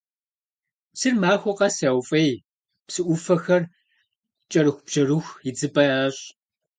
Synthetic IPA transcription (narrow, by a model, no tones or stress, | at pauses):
psɨrmaːxʷɔqɐsɐwfʼɐj | psɨʔʷʊfɐxɐr | t͡ʃʼɐɾɨxʷʊb̥ʒɐrɨxʷid͡zɨpʼɐaːɕʼ